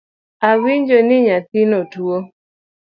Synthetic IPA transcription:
awiɲd͡ʒonɪɲat̪inotwo

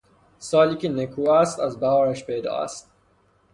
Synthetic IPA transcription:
sɒːliːkenekʰuːæst̪æzbæɦɒːɾæʃpejd̪ɒ̰ːæ̰st̪̚

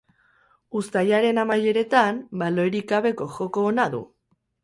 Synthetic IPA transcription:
ust̪ajaɾe̞namaje̞ɾe̞t̪ambalo̞eɾiɡaβe̞ko̞ʝo̞ko̞ːnaðṵ

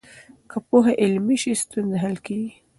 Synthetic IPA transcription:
kapoɦaʔɪlmiʃist̪unzeɦalkeɡi

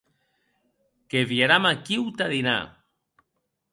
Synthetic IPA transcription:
keβjaɾamakiwt̪aðina̰

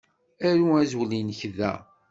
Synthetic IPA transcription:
æɾuæzwlinəçðæ̰

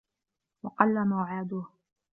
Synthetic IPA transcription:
wɑqɑlːamawʕaːd̪ʊh

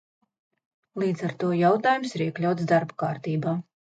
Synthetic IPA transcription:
lˠiːd̪zaɾt̪uɔjawt̪aːjumsiɾiɛklʲawt̪sd̪aɾbukaːɾt̪iːbaː

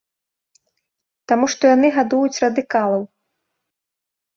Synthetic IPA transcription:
t̪amuʂt̪ɔjanɨɣad̪ujut͡sʲrɐd̪ɨkalˠɐw

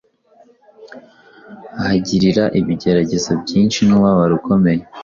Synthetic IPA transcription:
ahaɟiɾiɾaʔiβiɟe̞ɾaɟe̞zobɟiːnʃinuβaβaɾuko̞me̞je

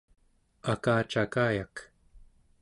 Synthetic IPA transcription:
akaːt͡ʃakaːjak

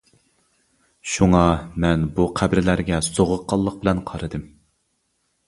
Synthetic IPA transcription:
ʃuŋɑmɛnbuqʰæbɾɪlæɾɡʲɛsoʁʊqʰːɑlˠːəq̚bɪlɛnqʰɑɾɨd̪ɨm

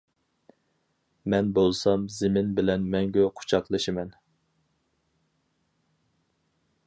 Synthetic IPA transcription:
mɛnbolˠsɑmzɪmɪnbɪlɛnmɛŋɡʲøqʰʊ̥t͡ʃʰɑqlˠɨʃɨmɛn

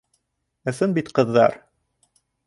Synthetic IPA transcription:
ɤ̆sɤnbit̪qɤ̆ðːɑ̰ɾ

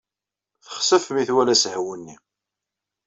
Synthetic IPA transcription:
θə̥χsæfmiθwælæshwənːi

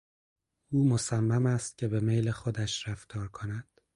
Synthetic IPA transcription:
ʔuːmosæmːæmæst̪̚cʲʰe̞be̞mejlexod̪æʃɾæft̪ʰɒːɾkʰonæd̪̥

